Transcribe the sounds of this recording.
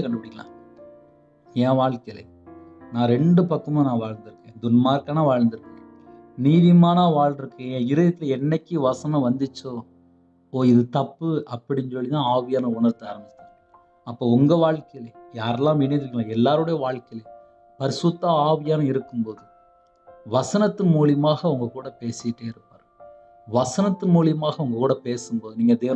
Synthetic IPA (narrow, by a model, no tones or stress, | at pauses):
kɐɳɖɯpːɪɽɪkːɐlã̰ː | ẽːʋaːɻkɐjɪlɐ̰ | nãːɾɛɳɖɯpɐkːɐmãːnãːʋaːɻnd̪ɪɾɯkːẽːd̪ʊnmaːɾkaːnaʋaːɻnd̪ɪɾɯkːɯɡẽ | niːðɪmaːnaːʋaːɻɪɾɯkːẽːɪɾɐjɐt̪ːɪlɛnːɛkʲːɯʋɐsɐnɐ̃ʋɐnd̪ɯt͡ʃːo | oːɪðɯt̪ɐpːɯɐpːɐɽɪnsɔlːɪnãːaːʋɪjaːnɐʊɳɐɾt̪ːɐaːɾɐmbɪt͡ʃːt̪ːaː | ɐpːoːʊŋɡɐʋaːɻkɐjɪlɐjaːɾɛlːãːʋɪnːɐnɾɯkːŋlãɛlːaːɾɯɽɐjɐʋaːɭkɐjɪlɐ | pɐɾɪsɯt̪ːaaːʋɪjaːnɐ̃ɪɾɯkːɯmpoːðɯ | ʋɐsɐnɐt̪ːɯnmuːlɪmaːɣɐʊŋɡɐkuːɽɐpeːsɪʈːeːɪɾɯpːaːɾ | ʋɐsɐnɐt̪ːɯnmuːlɪjmaːɣɐʊŋɡɐkuːɽɐpeːsɯmpoːðɯniːŋɡɐd̪eːʋ